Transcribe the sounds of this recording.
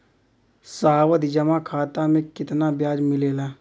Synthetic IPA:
saaːwət̪d͡ʒəmakʰaːt̪amẽkɪt̪nabjaːd͡ʒmɪleːlaː

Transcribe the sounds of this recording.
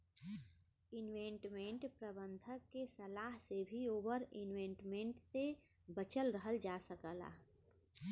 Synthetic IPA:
ɪnwẽɳʈmẽɳʈpɾəbə̃nd̪ʱəkːesəlaːɦsebʱioːbəɾɪnwẽɳʈmẽɳʈse | bət͡ʃəlɾəɦəld͡ʒasəkəla̰ː

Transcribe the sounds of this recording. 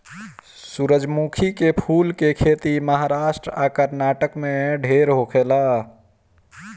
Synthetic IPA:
suɾəd͡ʒmukʰikepʰulkekʰet̪iməɦaɾasʈɾəakəɾnaʈəkmẽɖʱeɾɦokʰela

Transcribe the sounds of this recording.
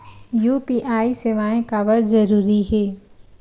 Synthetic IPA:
juːpiʔaːiseʋaːẽkaːʋəɾzɐɾuːɾiɦɛː

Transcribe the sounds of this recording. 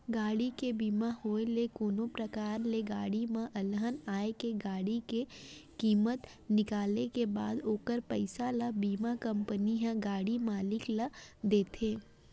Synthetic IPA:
ɡaːɽikebiːmahoːelekoːnopɾəkaːɾleɡaːɽimãʔɐlɦənaːekeɡaːɽikekiːmət̪ | nɪkaːlekebaːd̪oːkəɾpəɪsalabiːmakɐ̃mpəniɦɛ̃ɡaːɽimaːlɪkləd̪eːt̪ʰeː

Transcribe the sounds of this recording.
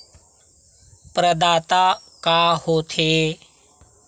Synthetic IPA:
pɾəd̪aːt̪aːkaːhoːt̪ʰeː

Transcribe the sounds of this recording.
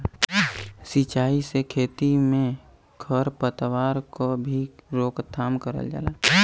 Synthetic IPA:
sit͡ʃaːisekʰeːt̪imẽ | kʰəɾpət̪waːɾkobʱiɾoːkt̪ʰːaːmkəɾə̰ld͡ʒa̰ːlaː

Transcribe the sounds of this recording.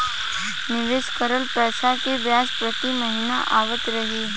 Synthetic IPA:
nɪʋeːskəɾəlpɛːsakebjaspɾət̪iməɦina̰ʔaːʋət̪ɾəɦiː

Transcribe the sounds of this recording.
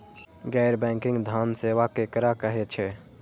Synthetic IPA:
ɡɛɪɾbɛ̃ŋkɪ̃ŋɡd̪ʱanseʋakekɾakəɦet͡ʃʰɛ

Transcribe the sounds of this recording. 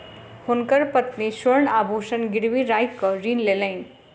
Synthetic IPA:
hunkəɾpət̪nisəɾɳabʱuʃənɡiɾʋiɾajkːʌɾiːnleləjn

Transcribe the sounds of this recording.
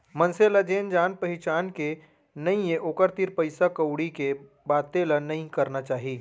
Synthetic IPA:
mə̃nselad͡ʒeːnd͡ʒaːnpɐɦɪt͡ʃaːnke | nɐĩjẽʔoːkəɾt̪iɾpəɪsakəwɽike | baːt̪elanɐɦĩkɐɾnat͡ʃaːɦiː

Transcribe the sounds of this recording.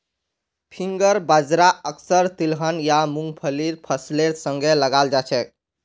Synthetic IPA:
pʰiŋɡəɾbəd͡ʒɾaəksəɾt̪ilɦənjamuŋɡpʰəliɾpʰəsleɾsə̃ŋɡʱeləɡald͡ʒat͡ʃʰɛ

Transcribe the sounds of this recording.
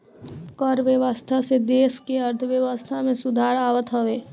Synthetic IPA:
kɔɾʋjəʋast̪ʰased̪eːskeəɾt̪ʰəʋjəʋəst̪ʰamẽsʊd̪ʱaːɾaːʋət̪ɦəʋeː

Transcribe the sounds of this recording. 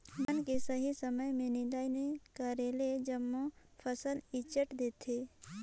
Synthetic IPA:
bənkesəɦisəməjmẽnɪ̃d̪aːjnekəɾeled͡ʒəmːõpʰəsəlɪt͡ʃəʈd̪eːt̪ʰeː

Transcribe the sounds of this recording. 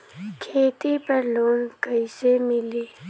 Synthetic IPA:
kʰeːt̪ipəɾloːnkəjsemili

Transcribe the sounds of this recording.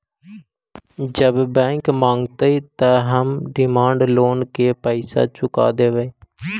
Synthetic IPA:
d͡ʒəbbɛ̃ːŋkmãːŋɡt̪əiːt̪aɦəmɖɪmaːɳɖloːnkeːpəisa̰ːt͡ʃʊka̰ːd̪eːʋeː

